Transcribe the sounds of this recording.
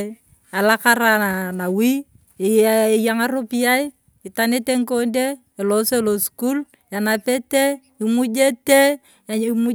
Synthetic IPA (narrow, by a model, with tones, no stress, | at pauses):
a˨la˦ka˦ɾa˦a˨na˨wi˦˨ | jaŋa˦ɾo˦pi˦ja˦i˦ | ɪ˨ta˨ne˦te˦ŋko˦ndeː˦˨ | lo˦se˦lo˨sku˦l | a˨na˨pe˦te˦ | i˨mu˦d͡ʒe˦te˦ | mu˦